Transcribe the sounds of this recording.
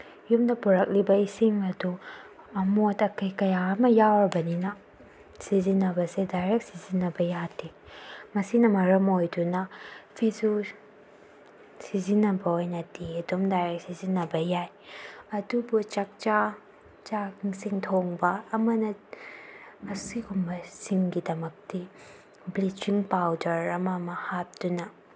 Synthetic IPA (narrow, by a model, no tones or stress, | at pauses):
jumdɐpuɾɐk̚libɐisiŋɐdu | ɐmotɐkʰɐjkɐjaɐmɐjawbɐninɐ | sizinɐbɐsedajɾek̚sizinɐbɐjatʰimɐsinɐmɐɾɐmojdunɐpʰizu | sizinɐbɐojnɐdiɐdomdajɾek̚sizinɐbɐjaj | ɐdubut͡ʃɐk̚t͡ʃa | t͡ʃaŋsiŋtʰoŋbɐːmɐnɐ | siɡumbɐsiŋɡidɐmɐk̚ti | blit͡ʃiŋpawdɐɾɐmɐmɐhap̚dunɐ